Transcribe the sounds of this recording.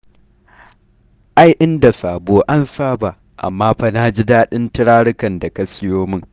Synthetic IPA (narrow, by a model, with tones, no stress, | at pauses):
ʔa˦jʔɪ˦nda˨saː˨boː˦ʔa˦nsaː˦ba˨ | ʔa̰˨mːaː˦ɸa˨naː˦d͡ʒi˦daː˦ɗɪ˦ntɪ˦ɽaː˦ɽɪ˦kɐ˨nda˨kɐ˦sɪ˦joː˦mɪ˦ŋ